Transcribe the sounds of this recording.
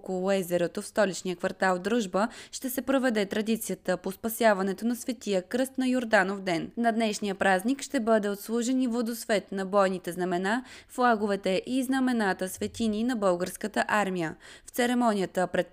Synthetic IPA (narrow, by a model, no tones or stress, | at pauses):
kolˠoɛzɛɾɛt̪ofst̪ɔlit͡ʃnijəkvɐɾt̪alˠd̪ɾuʒbəʃt̪ɛsɛpɾovɛd̪ɛt̪ɾɐd̪it̪sijət̪əpospɐsjavɐnɛt̪onɐsvɛt̪ijəkɾɤst̪nɐjoɾd̪anovd̪ɛnnɐd̪nɛʃnijəpɾaznikʃt̪ɛbɤd̪ɛot̪slˠuʒɛnivod̪osvɛt̪nɐbɔjnit̪ɛznɐmɛnaflˠaɡovɛt̪ɛʔiznɐmɛnat̪əsvɛt̪ininɐbɤlˠɡəɾskət̪əʔaɾmijəft̪sɛɾɛmɔnʲijət̪əpɾɛt̪